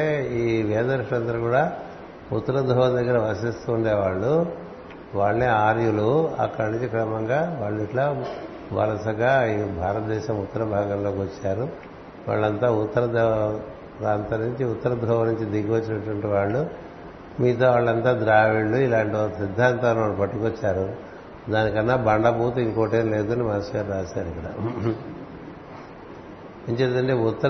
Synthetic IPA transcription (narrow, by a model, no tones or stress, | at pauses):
eiːʋɛːd̪ɐɾʂɐnɐnd̪ɐɾɐkuːɽaː | ut̪ːɐɾɐd̪ʱɐʋɐd̪ɐɡːɐɾɐʋɐsist̪uːɳɖeːʋaːɭːu | ʋaːɭɐneːaːɾjuluɐ̰kːɐɽɐnuɲt͡ʃikɾɐmɐŋɡaːʋaːɭːiʈlaː | ʋɐ̰ɾɐsɐɡaːibʱaːɾɐt̪̚d̪ɛːʃɐmut̪ːɐɾɐbʱaːɡɐmloːkiʋɐt͡ʃːaːɾu | ʋa̰ːɭːɐnt̪aːut̪ːɐɾɐd̪ | ɾaːnt̪ɐnuɲt͡ʃiut̪ːɐɾɐd̪ʱɾɐʋɐnuɲt͡ʃid̪iɡɐʋɐt͡ʃːinɐʈʋɐɳʈiʋaːɭːu | miːt̪̬oːʋaːɭːɐnt̪aːd̪ɾaːʋiɭːuilaːɳʈiokɐsid̪ʱːaːnt̪ɐnaːɭupɐʈːukɐt͡ʃːaːɾu | d̪aːnikɐnːaːbɐɳɖɐbʱuːt̪uiŋkoːʈeːnleːukonimɐːɐsaːɾɾaːsaːɾuikːɐɽa̰ | ɐnt͡ʃet̪ɐɳʈeːut̪ːɐ